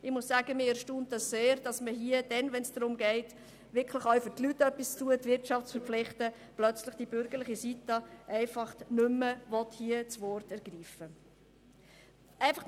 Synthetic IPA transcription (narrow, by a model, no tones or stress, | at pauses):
ɪχmʊssaːɡ̥əmɪɛʃtuːnt̚dɑsseːɾd̥ɑsməhiəd̥ɛnʋɛnsd̥ɾʊmɡɛɪt | ʋɪɾkʰləχœʊfʏɾtlytœpːist͡stuətvɪɾtʃɑftt͡sfəɾpp͡flɪχtə | plœt͡slɪχd̥ib̥ʏɾɡ̥əɾlɪχisitɑʔɛɪfɑχtnʏməvɔthiət͡sʋɔrtɛɾɡ̥ɾiːfə | ʔɛɪfɑχ